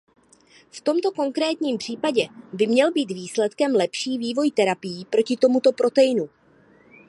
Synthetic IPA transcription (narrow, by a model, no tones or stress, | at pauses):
ft̪o̞mt̪o̞ko̞ŋkɾɛːt̪ɲiːmpr̝̥iːpaɟɛbɪmɲɛlbiːt̪viːslɛt̪kɛmlɛpʃiːviːvo̞jt̪ɛɾapɪjiːpɾo̞cɪt̪omut̪o̞pɾo̞t̪ɛjɪnu